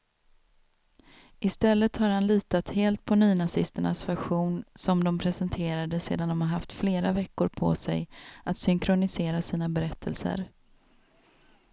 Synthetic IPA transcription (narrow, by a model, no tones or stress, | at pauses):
ʔɪst̪ɛlːət̪haɾhanliːt̪at̪heːlt̪̚pʰɔnyːnasɪst̪əɳa̰svæɾɧuːnsɔmd̪ɔmpʰɾɛsɛnt̪ʰeːɾad̪əsḛːd̪and̪ɔmhaɾɦaft̪fleːɾavɛkːʊɾpʰɔ̰sɛ̰jat̪sʏŋkʰɾʊnɪseːɾasiːnabɛɾɛt̪ʰːəlsə̰ɾ